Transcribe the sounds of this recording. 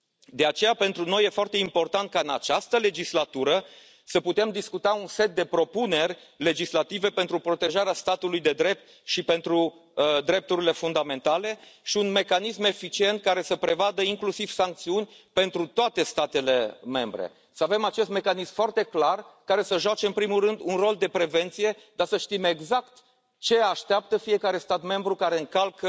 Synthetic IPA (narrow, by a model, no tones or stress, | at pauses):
d̪e̞at͡ʃe̞jape̞nt̪ɾuno̞jefoart̪e̞impo̞rt̪ant̪̚kaɨna̰t͡ʃast̪əle̞d͡ʒislat̪uɾə | səput̪e̞md̪iskut̪aunse̞t̪̚d̪e̞pɾo̞pune̞rʲ | le̞d͡ʒislat̪ive̞pe̞nt̪ɾupɾo̞t̪e̞ʒaɾeast̪at̪ulujd̪e̞d̪ɾe̞p̚t̪̚ | ʃipe̞nt̪ɾu | d̪ɾe̞p̚t̪uɾile̞fund̪ame̞nt̪ale̞ʃiunme̞kanisme̞fit͡ʃie̞nt̪̚kaɾe̞səpɾe̞vad̪əiŋklusiv̥saŋk̚t̪siunʲpe̞nt̪ɾut̪oat̪e̞st̪at̪e̞le̞me̞mbɾḛ | səave̞mat͡ʃe̞st̪me̞kanismfoart̪e̞klarkaɾe̞səʒoat͡ʃeɨnpɾimulrɨnd̪unro̞ld̪e̞pɾe̞ve̞nt̪sije̞d̪asəʃt̪ime̞ɡzakt̪ | t͡ʃe̞aʃt̪eap̚t̪əfie̞kaɾe̞st̪at̪me̞mbɾukaɾe̞ɨŋkalkə